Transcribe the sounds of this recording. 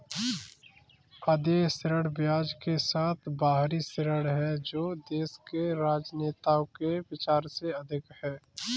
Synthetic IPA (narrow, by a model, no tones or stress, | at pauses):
ɐd̪esɪɾəɽbjaːd͡ʒkesaːt̪ʰbaːɦɾisɪɾəɽɦɛd͡ʒoːd̪eːskeɾaːd͡ʒneːt̪aõkeʋɪt͡ʃaːɾseɐd̪ʱɪkhɛː